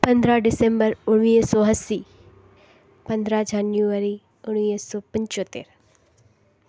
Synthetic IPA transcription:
pə̃nd̪ɾaɖɪsɛ̃mbəɾʊɽniːsɔːɦəsːiː | pə̃nd̪ɾad͡ʒanjuəɾi | ʊɽ̃iːsɔːpə̃ɲt͡ʃoːt̪ːḛːɾ

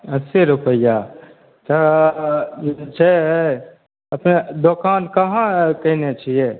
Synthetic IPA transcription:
ɐsiɾupəja | t̪ɐ | t͡ʃʰeɦ | ɐpned̪okaːnkɐɦãkɐinet͡ʃʰije

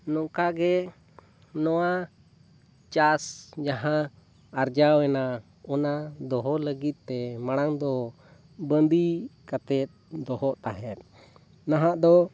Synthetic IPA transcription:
nɔkaɡɛ | nɔwa | t͡ʃasd͡ʒaɦã | aɾd͡ʒawɛna | ɔnad̪ɔɦɔləɡit̪̚t̪ɛmaɽ̃aŋd̪ɔ | bənd̪ikat̪ɛt̪̚d̪ɔɦɔʔt̪aɦɛt̪̚ | naɦãʔd̪ɔ

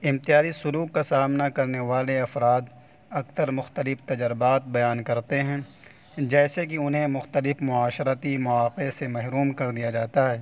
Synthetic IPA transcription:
ɪmt̪ijaːɾisʊluːkːasaːmnakɐɾneʋaːleɐfɾaːd̪ | ɐksəɾmʊxt̪əlɪft̪ɐd͡ʒɾɪbaːt̪̚bɐjaːnkɐɾt̪eɦɛ̃ː | d͡ʒɛːsek̬iʊnɦẽmʊxt̪əlɪfmʊaːʃɾət̪imʊaːqesemɛɦɾuːmkɐɾd̪ijad͡ʒaːt̪aɦɛː

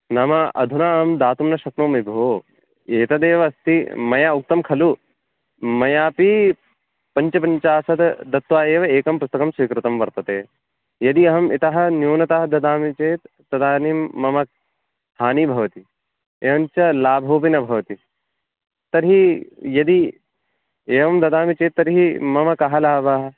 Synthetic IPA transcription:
naːmɐɐ̰d̪ʱunaːmd̪aːt̪umnɐʃɐknoːmibʱoː | eːt̪ɐd̪eːʋɐɐst̪imɐjaːuk̚t̪ɐmkʰɐlu | mɐjaːpi | pɐɲt͡ʃɐpɐɲt͡ʃaːsɐd̪d̪ɐt̪ʋaːeːʋɐeːkɐmpust̪ɐkɐmsʋikɾut̪ɐmʋɐɾt̪ɐt̪eː | jɐd̪iɐɦɐmit̪ɐɦɐ̆njoːnɐt̪aɦɐd̪ɐd̪aːmit͡ʃeːt̪ːɐd̪aːnimːɐmɐk̚ | haːnibʱɐʋɐt̪i | eːʋɐmt͡ʃɐlaːbʱoːpinɐbʱɐʋɐt̪i | t̪ɐɾɦijɐd̪i | eːʋɐmd̪ɐd̪aːmit͡ʃeːt̪ːɐɾɦimɐmɐkɐɦɐlaːbɐɦɐ

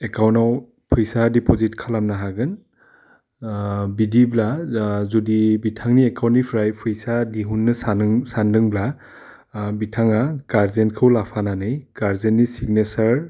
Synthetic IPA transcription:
ekawnaw | pʰɯjsadipozitkʰalamnaɦaɡɯn | bidiblazudibitʰaŋniekawntːipʰɾajpʰɯjsadiɦunːɯsanŋsandɯŋbla | bitʰaŋaɡaɾzenkʰɯwlapʰananɯjɡaɾzenːisiɡ̚nesaɾ

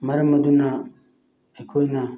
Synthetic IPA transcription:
mɐɾəmɐduna | ekʰojna

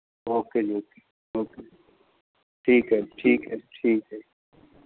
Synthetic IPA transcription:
oːked͡ʒoːke̥ | oːke | ʈʰiːkɦɛʈʰiːkɦɛʈʰiːkɦɛ

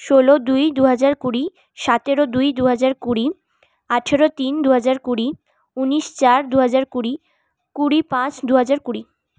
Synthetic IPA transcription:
ʃolod̪ujd̪uɦad͡ʑaɾkuɾi | ʃat̪eɾod̪ujd̪uɦad͡ʑaɾkuɾi | aʈʰeɾot̪ind̪uɦad͡ʑaɾkuɾi | uniʃt͡ɕaɾd̪uɦad͡ʑaɾkuɾi | kuɾipãt͡ɕd̪uɦad͡ʑaɾkuɾi

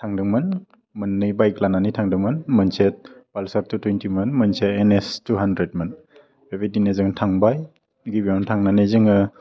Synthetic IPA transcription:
tʰaŋdɯŋmɯn | mɯnːɯjbajklananijtʰaŋdɯŋmɯnmɯnset̚palsaɾ̚tʰutwentimɯnmɯnsetenestuɦandɾet̚mɯn | bebidinezɯŋtʰaŋbaj | ɡibimɔntʰaŋnanɯjzɯŋɯ

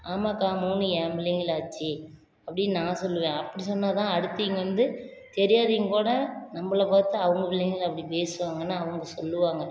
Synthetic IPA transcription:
aːmaːkaːmoːnːɯjaːmbɪlɪŋɡɪlaːt͡ʃːi | ɐpːɐɽɪnãːsɔlːɯʋẽːɐpːɐɽisɔnːaːt̪ãːɐɽɯt̪ːɯɪŋɡɐʋɐnd̪ɯ | t̪ɛɾɪjaːðiŋkuːɽɐnɐmːɐlɐpaːt̪ːɐɐʋɐŋɡɐʋɪlːɪŋɡɪlɐpːɐɽipeːsɯʋaːŋɡɐnːaːɐʋɐŋɡɐsɔlːɯʋaːŋɡɐ

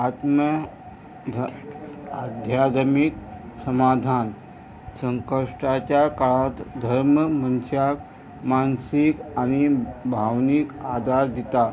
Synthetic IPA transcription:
at̪mə | ad̪ʱjad̪miksəmad̪ʱan | səŋkəʂʈat͡ɕjakaɭat̪d̪ʱəɾməmənsak | mansikañibʱaʋnikad̪aɾd̪it̪a

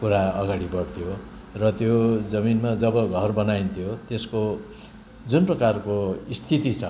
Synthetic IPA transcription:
kuɾaʌɡaɽibʌɽt̪ʰijo | rʌt̪jod͡zʌminmad͡zʌbʌɡʱʌrbʌnajnt̪ʰijot̪esko | d͡zunprʌkarkoist̪ʰit̪it͡sʰʌ

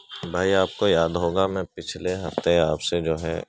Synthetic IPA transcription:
bʱaːiaːp̚kojaːd̪ɦoːɡamɛ̃ːpɪt͡ʃʰleɦɐft̪eaːpsed͡ʒoːɦɛ̰

